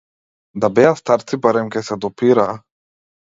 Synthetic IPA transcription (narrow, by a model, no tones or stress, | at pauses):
d̪abɛast̪aɾt̪sibaɾɛmkɛsɛd̪ɔpiɾaː